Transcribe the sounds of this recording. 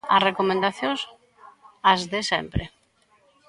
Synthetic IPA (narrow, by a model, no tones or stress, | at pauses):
asrekomẽnd̪aθjõs | azðesɛ̰mpɾḛ